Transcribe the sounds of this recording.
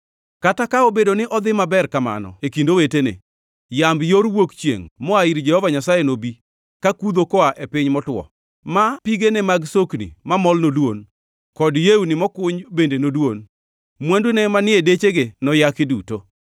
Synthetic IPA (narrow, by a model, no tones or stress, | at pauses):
katakaobedonɪʔɔd̪ɪmabɛrkama̰nɔ̰ekindowetenḛ | jambjoɾwokt͡ʃjḛŋmɔaiɾd͡ʒɛhɔvaɲasajenobi | kakud̪okɔaʔepɪɲmɔtwɔ̰ | mapiɡenɛmaɡsoknḭmamɔlnolwon | kɔdjeunɪmɔkʊɲbendenolwon | mwandunɛmanɪedet͡ʃeɡenɔjakɪduto